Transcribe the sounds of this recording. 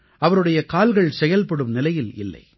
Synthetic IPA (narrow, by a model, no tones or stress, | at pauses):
ʔɐʋɐɾɯɽɐjɐkaːlɣɐɭsɛjɐlpɐɽɯmnɪlɐjɪlɪ̰lːɐ̰ɪ